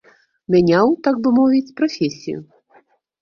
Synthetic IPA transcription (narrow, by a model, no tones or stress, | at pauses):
mʲanʲawt̪aɡ̚bɨmɔvʲit͡sʲpɾafʲesʲḭjʊ̰